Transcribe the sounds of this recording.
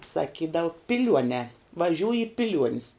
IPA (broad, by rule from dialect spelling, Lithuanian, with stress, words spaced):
sɐˈkʲiːdɐʋʊ pʲɪˈlʲuɔnʲɛː ʋɐˈʒʲuːj ɪ pʲɪˈlʲuɔnʲɪs